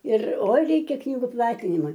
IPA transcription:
ɪr ˈoːɪ ˈrʲɛɪkʲɛ ˈknʲiːɡʊ ˈplˠɑːtʲɪnʲɪmɐ

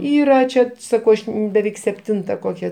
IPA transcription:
ˈiːrɐ ˈt͡ʃʲɛ ˈsɑːkɐʊ ˈɐʃ bʲɛˈʋʲɛɪk sʲɛpʲˈtʲɪntɐ ˈkoːkʲɛ

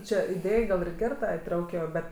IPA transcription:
ˈt͡ʃʲɛ ɪˈdʲeːj ɡɐlˠ ɪr ˈɡʲɛr ˈtɐ ɪˈtrɐʊkʲɪjoː ˈbʲɛt

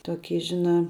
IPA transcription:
toːˈkʲiː ˈʒʲɪˌnɑː

